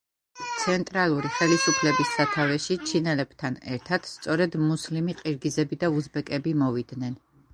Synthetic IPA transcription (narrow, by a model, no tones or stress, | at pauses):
t̪sʰɛnt̪ʼɾalˠuɾiχɛlisupʰlɛbisːat̪ʰavɛʃit͡ʃʰinɛlɛb̥t̪ʰanɛ̰ɾt̪ʰad̪̥st̪sʼɔɾɛd̪muslimiqʼiɾɡizɛbid̪auzbɛkʼɛbimɔvid̪nɛn